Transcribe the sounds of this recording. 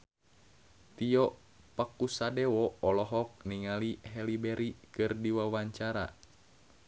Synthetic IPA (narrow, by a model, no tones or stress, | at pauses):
t̪ijɔ | pakusadɛwɔɔlɔɦɔk̚niŋaliɦɛlibɛɾikɨrdiwawaɲt͡ʃaɾa